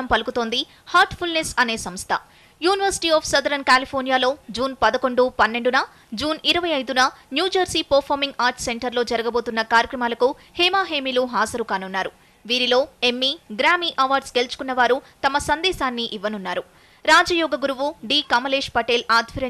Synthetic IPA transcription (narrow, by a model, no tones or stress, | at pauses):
ɐmpɐlukut̪o̞ːnd̪i | haːɾʈpʰulnesɐne̞ːsɐmst̪ʰɐ̰ | juːniʋɐɾsi̥ʈiːɔːpʰsɐd̪ɐɾɐnkaːlipʰoːɾnijaːlo̞ːd͡ʒuːnpɐd̪ɐko̞ɳɖupɐnːe̞ɳɖunɐ | d͡ʒuːniɾɐʋɐjɐjd̪unɐnjuːd͡ʒɐɾsiːpɐɾpʰoːɾmiŋɡaːɾʈse̞ɳʈɐɾlo̞ːd͡ʒɐɾɐɡɐbo̞ːt̪unːɐkaːɾjɐkɾɐmaːlɐku | heːmaːɦeːmiːluɦaːzɐɾukaːnunːaːɾu | ʋiːɾilo̞ːe̞mːiɡɾaːmiːʔɐʋaːɾɖsɡe̞lut͡ʃu̥kunːɐʋaːɾut̪ɐmɐsɐnd̪ɛːsaːnːiʔiʋːɐnunːaːɾu | ɾaːd͡ʒɐjɔːɡɐɡuɾuʋuɖiːkɐmɐleːʂpɐʈeːlaːd̪ʱʋɐɾɐ